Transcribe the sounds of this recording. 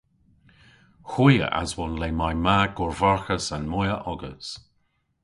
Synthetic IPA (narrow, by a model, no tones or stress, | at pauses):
xujə̰ʔa̰zwɔnlemajmaɡʊɹvaɹxəsanmɔjəʔɔɡəs